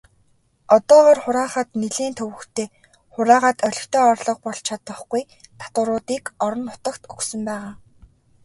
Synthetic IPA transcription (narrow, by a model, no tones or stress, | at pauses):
ɔt̪ɔːʁɔːrχʊɾaːχə̆t̪niɮeːnt̪ʰɵwɘ̆xt̪ʰeː | χʊɾaːʁaːt̪ʰœɮʲɵ̆xt̪ʰeːɔrɮɞ̆q̚pɔɮt͡ɕʰat̪ə̆χɡuj | t̪ʰḁt̪ʊ̆ɾʊːt̪iːkɔɾɞ̆nːʊ̥t̪ə̆kt̪uxsɵ̆mpæːʁaː